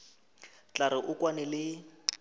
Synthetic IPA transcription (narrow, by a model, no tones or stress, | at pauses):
t͡ɬʼaɾɪʔʊkʼwanɛlɪ